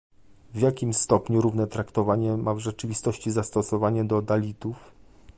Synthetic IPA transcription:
vʲjakʲimst̪ɔpɲuɾuvnɛt̪ɾakt̪ɔvaɲɛmavʐɛt͡ʂɘvʲist̪ɔɕt͡ɕizast̪ɔsɔvaɲɛd̪ɔd̪alʲit̪uf

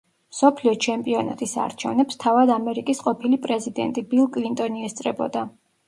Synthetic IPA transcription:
msɔpʰliɔt͡ʃʰɛmpʼiɔna̰t̪ʼisa̰ɾt͡ʃʰɛvnɛpst̪ʰavad̪amɛɾikʼisqʼɔpʰilipʼɾɛzid̪ɛ̰nt̪ʼibilˠkʼlint̪ʼɔniɛst̪sʼɾɛbɔ̰d̪a

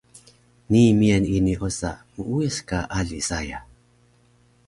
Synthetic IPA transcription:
niːmianiniʔosamuueskaʔaɮisaja

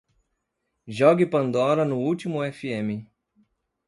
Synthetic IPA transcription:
ʒɔɡɪpɐ̃nd̪ɔɾɐnʊut͡ʃimʊɛfiẽmɪ

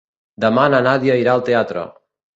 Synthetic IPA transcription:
d̪əmananaðiaiɾaəlˠt̪eat̪ɾə̰

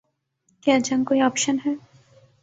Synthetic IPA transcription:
kjaːd͡ʒɐnkoːiɔːpʃənɦɛː

